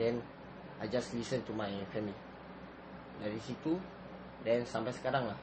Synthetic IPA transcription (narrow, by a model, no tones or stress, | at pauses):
dɛn | ajd͡ʒaslisənt̪umajfɛmi | daɾisit̪u | dɛnsampajsə̥kaɾaŋlah